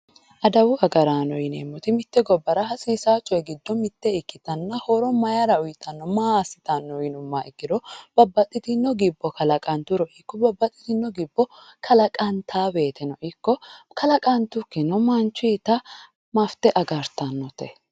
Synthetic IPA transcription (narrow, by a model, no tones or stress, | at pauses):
ʔɐd̪ɐwʊɐɡɐɾaːnɔjɪnḛːmːɔt̪ɪmɪt̪ːɛɡɔbːɐɾɐɦɐsiːsaːt͡ʃʼːɔjɛɡɪd̪ːɔmɪt̪ːɛɪkːɪt̪ɐnːɐhɔɾɔmɐjaɾɐʊjɪt̪ʼːɐnːɔmaːsɪ̥t̪ɐnːɔjɪnʊmːaʔɪkːɪɾɔb̥ɐbːɐt̪ʼːɪt̪ɪnːɔɡɪbːɔkɐlɐkʼɐnt̪ʊɾɔʔɪkːɔbɐbːɐt̪ʼːɪ̥t̪ɪnːɔɡɪbːɔkʰɐlɐkʼɐnt̪ʰaːbe̞ːt̪ɛnɔʔɪkːɔkɐlɐkʼɐnt̪ʊkːɛnɔmɐnt͡ʃːit̪ɐ | mɐft̪ɛʔɐɡɐɾt̪ɐnːɔt̪ɛ